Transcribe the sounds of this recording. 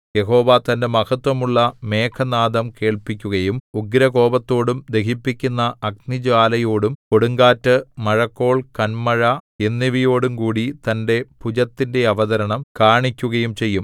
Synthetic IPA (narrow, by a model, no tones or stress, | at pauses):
je̞ɦo̞ːʋɐt̪ɐnde̞mɐhɐt̪wɐmuɭːɐme̞ːkʰɐnaːd̪ɐmke̞ːɭpikʲːuɣɐjumuɡɾɐko̞ːbɐt̪ːo̞ːɽumd̪e̞kipːikʲːunːɐɐknid͡ʑaːlɐjo̞ːɽumko̞ɽuŋɡaːtːɨmɐɻɐkːo̞ːɭkɐnmɐɻɐenːiʋijo̞ːɽumkuːɽit̪ɐnde̞pud͡ʑɐt̪ːinde̞ɐʋɐðɐɾɐɳɐmkaːɳikʲːuɣɐjumt͡ɕe̞jːum